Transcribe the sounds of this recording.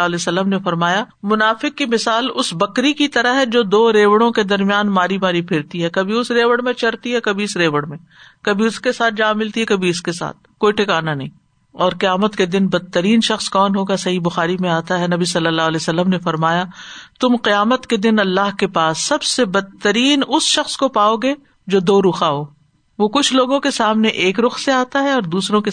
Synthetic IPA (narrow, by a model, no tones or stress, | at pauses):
ɦlɛːsɐlːəmnefɐɾmaːjamʊnaːfɪkːimɪsaːlʊsbɐkɾikit̪ɐɾaɦɦɛd͡ʒoːd̪oːɾeːʋəɽ̃õked̪ɐɾmijaːnmaːɾimaːɾipʰɪɾt̪iɦɛkɐbʱiʊsɾeːʋəɽmẽt͡ʃɐɾt̪iɦɛkɐbʱiɪsɾeːʋəɽmẽ | kɐbʱiʊskesaːt̪̚ʰd͡ʒãːmɪlt̪iɦɛkɐbʱiʊskesa̰ːt̪̚koːiʈʰɪkaːnanɐɦĩ | ɔːɾqijaːmət̪ked̪ɪnbɐd̪̚t̪ːəɾiːnʃɐxskɔːnɦoːɡasɐɦibʊxaːɾimẽaːt̪aɦɛnɐbisɐlːəlːaːɦlesɐlːəmnefɐɾmaːjat̪ʊmqɪjaːmət̪ked̪ɪnɐlːaːɦkepaːsːɐbsebɐd̪̚t̪ːəɾiːnʊsʃɐxskopaːoɡe | d͡ʒoːd̪oːɾʊxaɦoː | ʋokʊt͡ʃʰloːɡõkesaːmneʔeːkɾʊxseaːt̪aɦɛɔːɾd̪uːsɾõke